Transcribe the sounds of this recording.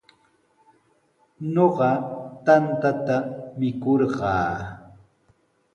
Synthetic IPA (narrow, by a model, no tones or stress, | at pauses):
ɲoɢɑt̪ant̪at̪amɪkoɾɢɑː